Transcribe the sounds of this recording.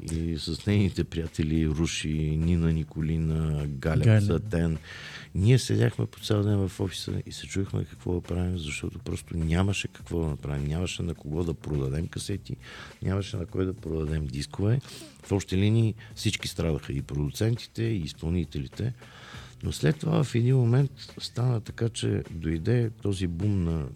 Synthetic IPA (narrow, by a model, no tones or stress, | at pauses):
isɐsnɛjnit̪ɛpɾijat̪ɛliɾuʃininənikolinəɡalʲɛsət̪ɛnniɛsɛ̰d̪ʲaxmɛ̰po̥t̪sɛlˠd̪ɛnvɐfɔfi̥sə̰isɛt͡ʃuvixmɛ̰kɐ̥kvɔ̰d̪ɐpɾavimzɐʃt̪ɔt̪opɾɔst̪onʲaməʃɛkɐ̥kvɔd̪ɐnɐpɾavimnʲaməʃɛnɐkoɡɔd̪ɐpɾod̪ɐd̪ɛmkɐsɛt̪iɲʲʔaməʃɛnɐkɔjd̪ɐpɾod̪ɐd̪ɛmd̪iskovɛ | fɔʃt̪ɛlinʲiːfsit͡ʃkist̪ɾad̪əxəipɾod̪ut̪sɛnt̪i̥t̪ɛiːspɐlˠnit̪ɛlit̪ɛ | noslɛt̪ːova̰vɐfɛd̪inmomɛnt̪st̪anət̪ɐkat͡ʃɛ̰d̪ojd̪ɛt̪ɔzibumnɐ